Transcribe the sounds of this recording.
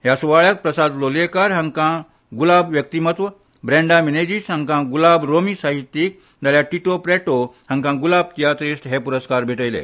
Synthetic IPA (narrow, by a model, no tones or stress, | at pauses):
ɦjasuʋaɭək̚pɾəsad̪lolekaɾɦə̃ŋkã | ɡulabʋjək̚t̪imət̪ʋə | bɾɛ̃ɳɖamined͡ʑisɦə̃ŋkãɡulabɾomiːsaɦit̪ːiːk̚ | d̪aljaʈiʈopɾɛʈohə̃ŋkãɡulab̚t̪ijat̪ɾisʈɦepuɾəskaɾbʱiʈəjlḛ